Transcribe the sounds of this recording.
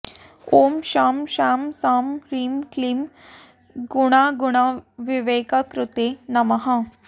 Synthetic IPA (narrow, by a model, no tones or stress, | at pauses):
oːmʃaːmʃaːmsaːmɾiːmklim | ɡuɽ̃aɡuɽ̃aʋiʋeːkakɾut̪enɐmɐɦa